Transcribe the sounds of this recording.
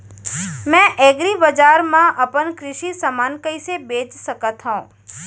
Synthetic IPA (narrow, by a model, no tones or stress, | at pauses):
mɛ̃ʔɛːɡɾibəd͡ʒaːɾmãʔəpənkɾɪʃisəmaːnkəisebeːd͡ʒsəkət̪ɦə̃